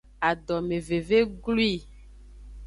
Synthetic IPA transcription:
a˨ɖɔ˨me˨ve˨ve˦ɡlu˦i˦˨

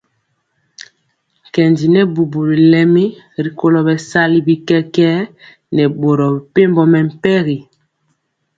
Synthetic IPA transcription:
kɛ˨ndi˨nɛ˦bu˨bu˨ɾi˨lɛ˦mi˦ | ɾi˨ko˦lɔ˨bɛ˨sa˦li˦bi˦kɛ˦kɛ˦ | nɛ˨ɓo˨ɾɔ˨ɛ˨pe˦mbɔ˦mɛ˨m̩˨pɛ˦ɣi˨

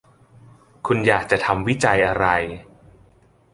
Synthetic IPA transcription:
kʰu˧njaː˨˩k̚t͡ɕa˨˩t̪ʰa˧mwi˦˥˩t͡ɕa˧jʔa˧ɾa˧j

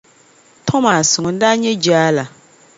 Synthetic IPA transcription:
tʰɔ˦ma˨sʊ˨ŋʊ˨n̩˦da˦ɲɛ˦d͡ʒaː˦la˨

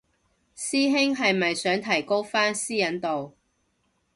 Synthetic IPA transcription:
siː˥ɦɪ˥ŋɦɐ˨jmɐ˨jsœː˨˥ŋt̪ʰɐ˨˩jko˥wfaː˥nsiː˥jɐ˨˥nt̪o˨w

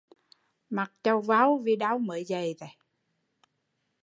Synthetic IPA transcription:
ma˨˩k̚t͡ɕə˧wva˨˦wvi˧˩ɗa˨˦wmə̰ː˨˦jzə˨˩jt̪a˨˦

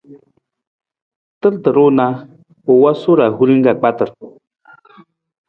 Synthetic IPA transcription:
tə˦ltə˨ɾo˦na˦ | o˨wa˦so˦ɾa˨ɦu˦ɾi˦ŋ˦ɡa˨k͡pa˦tə˨ɾ

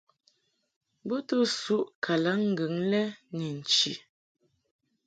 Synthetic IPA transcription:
bo˦tu˦˨su˦ʔkʰa˨la˨˦ŋ̩˨ɡʉ˨˦ŋlɛ˦ni˨n̩˨t͡ʃḭ˨

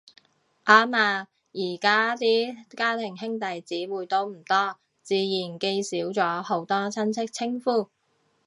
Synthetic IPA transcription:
ʔaː˨˥maː˧ | jiː˨˩kaː˥t̪iː˥kaː˥t̪ʰɪ˨˩ŋɦɪ˥ŋt̪ɐ˨jt͡siː˨˥wuː˨˧jt̪o˥wm̩˨˩t̪ɔː˥ | t͡siː˨˧jiː˨˩nke˧jsiː˨˥wt͡sɔː˨˥ho˨˥wt̪ɔː˥t͡sʰɐ˥nt͡sʰɪ˥k̚t͡sʰɪ˥ŋfuː˥˩

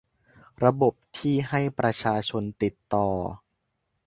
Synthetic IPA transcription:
ɾa˧bo˨˩p̚t̪ʰiː˥˩ɦa˥˩jpɾa˧t͡ɕʰaː˧t͡ɕʰo˧nt̪i˨˩t̪ːɔː˨˩

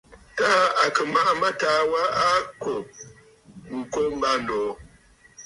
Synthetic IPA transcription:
taː˦a˨kə˨ma˦ʔma˦taː˨˦wa˦a˦ko˨ | ŋ̩˨ko˦m˦ba˦nɔː˨˦

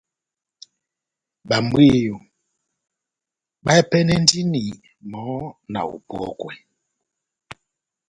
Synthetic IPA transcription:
ɓa˨m̩˦bwi˦ju˨ | ɓa˦ɛ˦pɛ˦nɛ˦n˦di˦ni˨ | mɔ˨˦na̰˨ṵ˨pɔ̰˦kwɛ̰˨

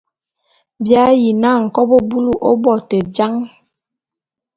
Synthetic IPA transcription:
bja˦ji˨na˦˨ŋ̩˨kɔ˦bo˦bu˦lu˦˨ʔɔ˦bɔ˨tɛ˨d͡ʒa˦ŋ

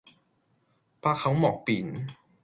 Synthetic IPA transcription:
pʰaː˧˥˩kʰːa˦˥wmɔː˨˩k̚piː˨˩˦n

